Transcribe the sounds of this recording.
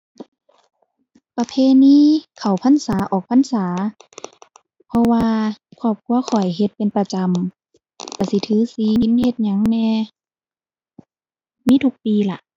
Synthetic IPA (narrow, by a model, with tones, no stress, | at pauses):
pa˧pʰeː˧˥˨niː˧˥˨kʰa˨˩wpʰa˧˥˨nsaː˨˦ʔɔː˨˩k̚pʰa˧˥˨nsaː˨˦ | pʰɔ˧waː˧kʰɔː˧˩p̚kʰu˧ɐxʰɔ˨˩jɦe˧˦t̪̚pe˧˨npa˧t͡ɕa˧˨m | ka˨˧˩si˧˦t̪ʰɯː˨˦si˧˦ɲi˧˥˦nhe˧t̪̚ɲa˧˦ŋnɛː˧ | miː˧˥˨t̪ʰu˧k̚piː˧la˧˩ʔ